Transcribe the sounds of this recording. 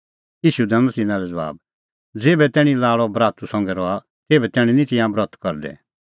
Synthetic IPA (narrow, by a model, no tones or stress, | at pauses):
jiːʃud̪ɛ̃nsɪnãɾɛd͡zɐʋa̰ːb | d͡zeːbɛt̪ɛːɽ̃ĩlaːɭɔbɾaːt̪usɔ̃ŋɡɛɾɔa | t̪eːbɛt̪ɛːɽ̃inĩt̪ɪjãbɾɔt̪ʰkɔɾd̪ɛ̰